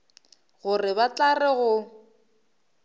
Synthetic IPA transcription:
ɣʊrɪbat͡ɬarɛɣʊ

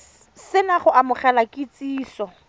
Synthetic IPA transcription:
sɪnaχʊʔamʊχɛlakʼɪt͡sʼiːsɔ

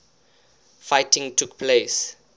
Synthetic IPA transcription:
faɪtĩŋtʰukpʰles

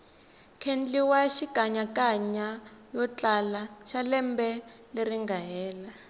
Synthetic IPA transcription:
kʰend͡ɮiwaʃikaɲakaɲajɔt͡ɬalaʃalɛmbɛleriŋɡaɦɛːla

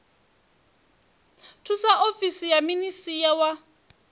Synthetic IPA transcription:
tʰusaʔofisijaminisijawa

